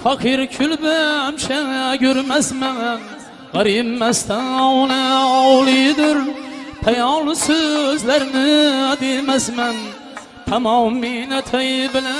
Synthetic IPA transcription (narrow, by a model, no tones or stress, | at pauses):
fɑqʰɨɾkʲʰʊlbɪamʃaŋakʲʰɵɾmasman | ʁɑɾimːast̪anɒwnaɒwlˠid̪ɪɾpʰajɒlˠɪsɵzlaɾnɪd̪emasman | t̪ʰamɒmːinat̪ʰajɪbɪla